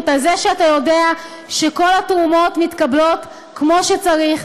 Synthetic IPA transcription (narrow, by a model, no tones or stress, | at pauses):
talzeʃeatajo̞dea | ʃeko̞latʁumo̞tmitkablo̞t | kmo̞ʃet͡saʁiχ